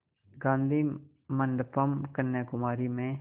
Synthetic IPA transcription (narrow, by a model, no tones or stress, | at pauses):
ɡãːnd̪iː | məɳɖpəmkənːeːkʊmaːɾiːmẽː